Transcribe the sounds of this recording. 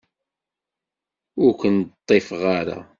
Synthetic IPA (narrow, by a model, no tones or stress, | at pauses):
ʊɾkʷənt̪ˤːefʁaɾa̰